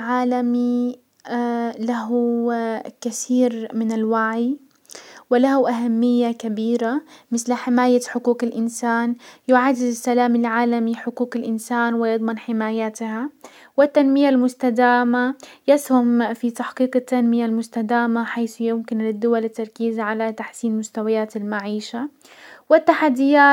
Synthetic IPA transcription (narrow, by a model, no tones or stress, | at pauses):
ʕaːlami | laɦu | kaθiːɾmɪnɪlwaʕi | wɪlahuʔaɦamːɪjːakabiːɾamɪθlħɪmaːjaħʊquːqɪlʔɪnsaːnjʊʕad̪ːɪd̪ɪsːalaːmɪlʕaːlamiħʊkuːkɪlʔɪnsaːnwɪjɑd̪ˤmɪnħɪmaːjat̪ha | wɪt̪ːanmɪjalmʊst̪ad̪aːmajɪshʊmfit̪aħqiːqat̪ːanmɪjalmʊst̪ad̪aːmaħajθjʊmkɪnlɪd̪ːʊwalɪt̪ːɑɾˤkiːzaʕalat̪aħsiːnmʊst̪awajaːt̪almaʕiːʃa | wɪt̪ːaħad̪ːɪjaː